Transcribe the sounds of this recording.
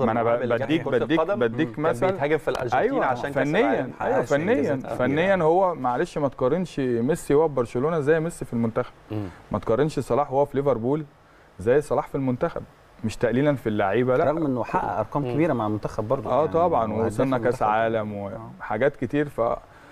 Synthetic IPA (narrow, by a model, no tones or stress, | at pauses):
mʔænæbæd̪ːiːkbæːiːbæd̪ːiːkmæsæhæɡæfilʔʔæjwwæafænːejːænæjwæfænːejːænfænːejːænhowːæmæʕaleʃmæt̪qɑɾːenʃmesːijowæbɑɾˤseloːnæʔzæːjemesːifilmont̪æxæ̥b̥mʔæt̪qɑrˤɾːenʃesˤɑlɑːħhowːæfileveɾˤbuːl | zæːjesˤɑlɑːħfilmont̪æxæ̰b̚ | meʃt̪æʔliːlænfilːaʕiːbælæɾˤɑɣmʔenːħaʔæ̰ʔɑ̰ɾˤkɑːmkæbiːɾæmaʕalmont̪æxæbːɑɾˤd̪ʔæːt̪ˤɑbʕɑnwesˤonːækæsʕaːlæmweħaɡæːt̪ket̪iːɾfæ̰